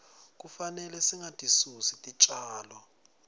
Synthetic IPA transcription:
k̬ufanɛlɛsiŋatʼisusitʼit͡ʃʼaːlɔ

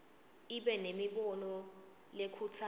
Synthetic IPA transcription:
iɓɛnemiɓɔnɔ | lekʰut͡sʰa

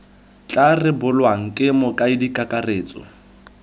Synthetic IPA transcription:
t͡ɬʼarɪbʊlwaŋ̩kʼɪmɔkʼaɪdikʼakʼareːt͡sʼɔ̰

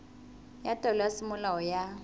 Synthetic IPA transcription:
jatʼɔlasimʊlawɔja

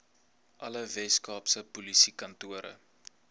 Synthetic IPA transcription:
ʔɐləvɛskɑːpsəpulisikɐntuəɾə̰

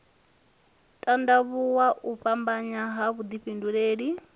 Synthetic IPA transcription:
tʼandaβuwaʔuɸambaɲaɦaβud̪iɸinduɺeːɺi

